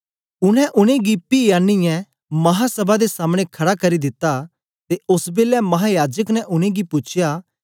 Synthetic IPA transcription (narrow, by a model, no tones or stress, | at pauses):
ʊñɛ̃ʔʊɽ̃ẽɡipiːjaːnːijɛ̃ | mɐɦasɐbad̪esaːmɽ̃ẽkʰɐɽakɐɾid̪ɪt̪ːa | t̪eʔʊsbeːlɛmɐɦajaːd͡ʒəknɛ̃ʔʊɽ̃ẽɡipʊt͡ʃʰja